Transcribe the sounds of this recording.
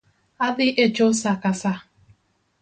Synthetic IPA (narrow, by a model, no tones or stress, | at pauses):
adɪʔet͡ʃosakasa